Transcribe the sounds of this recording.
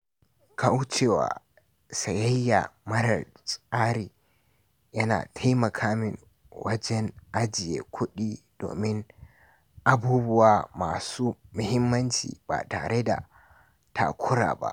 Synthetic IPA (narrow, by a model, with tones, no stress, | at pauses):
kʰa˦wt͡ʃɛwa̰˨ | sa˨ja˦jːa̰˨mɐ˦ɾɐ̰˨ɾsʼaː˦ɾi˨ | jɐ˦na̰˨tʰa˦jmɐ˨kʰaː˦mi˨n | wʔɐ˦d͡ʒɛ˦nʔa˦d͡ʒi˨jɛ˨kʷʰʊ˦ɗi˦d̥o̰ː˨mɪ˦n | ʔa˨buː˦bʊ˦wa˨maː˨su˦mʊ˨hɪ˦mːɐ˦nt͡ʃḭ˨ba̰˨ta˨ɾɛ˦da̰˨ | tʰa̰˨kʰʊ˦ɾa̰˨ba̰˨